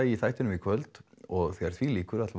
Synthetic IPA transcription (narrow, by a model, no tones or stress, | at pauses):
aiθaːjht̪ɪʏnʏmikʰvœlt̪ɔɣθɛɣaɾ̥θviliːkʏɾat̪l